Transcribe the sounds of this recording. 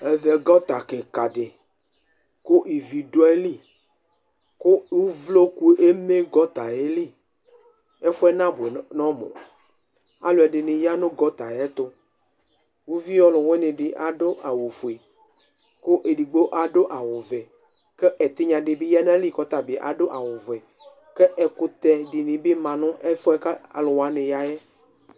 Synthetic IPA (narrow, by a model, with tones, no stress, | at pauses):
e˨ve˨ɡɔ˦t̪a˨ke˨ka˨ɖe˨ | ko˦ʔi˨vi˨do˦e˦li˦ | ko˦wu˦vlo˦ku˦ʔe˦me˦ɡɔ˦t̪a˨e˦li˦ | e˦fo˦ɛ˦nã˦bo˨e˨nɔ̃˦mɔ̰̃˨ | a̰˦lo˨ɛ˨ɖe˨nẽ˨ja˦nõ˦ɡɔ˦t̪a˨jɛ˦t̪o˦ | wo˦vi˦jɔ˦lo˨we˦nẽ˨ɖi˨ʔa˨ɖo˦ʔa˨wu˨fu˨e˨ | ko˦ʔe˨ɖi˨ɡ͡bo˦ʔa˨ɖo˦ʔa˨wo˨vɛ˨ | kɛ˦ʔɛ˨t̪e˦ɲã˨ɖe˨bi˦ja˦nã˦li˦˨kɔ˦t̪a˨bi˨ʔa̰˨ɖo˦ʔa˨wo˨vɛ˨ | kɛ˦ʔɛ˨ku˦t̪ɛ˨ɖi˨nĩ˨be˦mã˨nʊ̃˦ʔe˦fo˦ɛ˦ka˦a̰˨lo˨wa˦nẽ˨ja˦je˦